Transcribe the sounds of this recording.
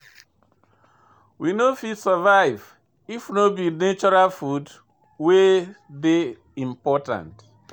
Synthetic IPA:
winofidsəvaɪv | ifnobinet͡ʃɔɹalfud | weðe | ĩmpɔtã̰nt

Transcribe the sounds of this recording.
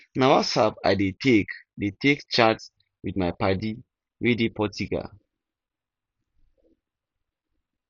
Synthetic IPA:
nawasabaɪdetʰekdetekt͡ʃats | widmaɪpadi | wedipʰɔtiɡa̰

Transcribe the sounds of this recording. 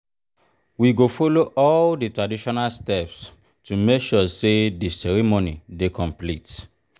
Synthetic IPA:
wiɡofoloʔɔlditɹadiʃɔnalstɛps | tumekʃusedisɛɹɛmonidekɔ̃mplit

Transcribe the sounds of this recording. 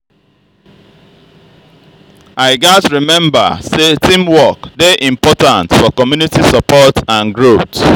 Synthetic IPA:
aɪɡasɹimɛ̃mbə̰setĩmwɔkdeʔĩmpɔtãntfɔkɔmjunitisapɔtãnɡɹot

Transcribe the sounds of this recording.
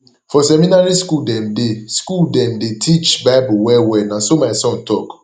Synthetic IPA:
fɔsɛmĩnaɹiskuldɛ̃mdeskuldɛ̃mdetʰit͡ʃbaɪbʊwɛwɛnãsomaɪsɔ̃ntɔk

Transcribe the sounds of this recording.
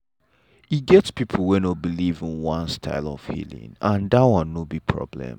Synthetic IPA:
iɡɛtspipʰl̩ˠwɛ̃nobilivĩnwãnstʰa̰ɪlɔ̰v̥hḭlḭ̃nãndawãnːobipʰɹɔ̰blɛ̰̃m

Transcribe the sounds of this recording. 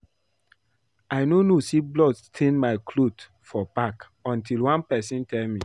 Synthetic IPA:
aɪnonosiblɔdstʰẽnmaɪkʰlot | fɔbak | ɔ̃ntilwãnpɛsĩntʰɛlmi

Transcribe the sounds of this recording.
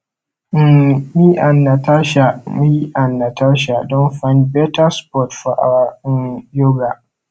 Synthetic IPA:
mmiʔanːataʃamijiʔanːataʃ̬adɔnfãnd̚bɛtaspɔtfɔʔa̰wanjoɡa

